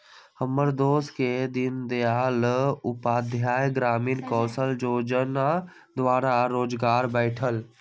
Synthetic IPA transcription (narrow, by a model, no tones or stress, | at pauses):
həməɾd̪oːsked̪ɪnd̪eaːlʊpaːd̪ʱjaːjɡɾaːmiːnkɔ̃ːsəld͡ʒoːd͡ʒəna | d̪ʋaːɾaɾoːd͡ʒɡaːɾbɛɪʈʰəl